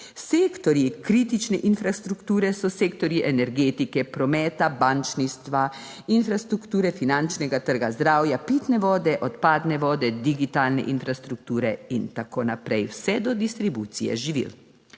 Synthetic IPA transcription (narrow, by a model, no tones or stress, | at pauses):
seːkt̪ɔɾjikɾiːt̪it͡ʃnɛʔinfɾast̪ɾukt̪uːɾɛsɔseːkt̪ɔɾjiʔɛnɛɾɡeːt̪ikɛpɾɔmɛːt̪abant͡ʃnist̪ʋa | infɾast̪ɾukt̪uːɾɛfinant͡ʃnɛɡat̪əɾɡazd̪ɾaːwjapiːt̪nɛʋɔːd̪ɛʔɔt̪paːd̪nɛʋɔːd̪ɛd̪iɡit̪aːlnɛ̰ʔinfɾast̪ɾuk̚t̪uːɾɛint̪akoːnapɾɛjwsɛd̪ɔd̪ist̪ɾibuːt̪sijɛ̰ʒiʋḭl